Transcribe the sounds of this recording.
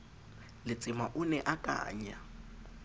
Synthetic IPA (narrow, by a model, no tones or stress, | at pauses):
lɪt͡sʼɪmaʔʊnɛʔakʼa̰ːɲa